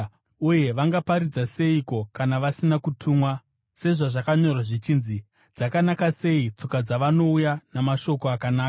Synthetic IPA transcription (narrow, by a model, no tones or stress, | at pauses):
uje̞ʋaŋɡapaɾid͡zase̞iko̞kanaʋasinakutʰuːmwa | se̞ʐaʐakaɲo̞rwaʐit͡ʃiːnzi | d͡zakanakase̞it͡sokad͡zaʋano̞ujanamaʃo̞ko̞akanaːka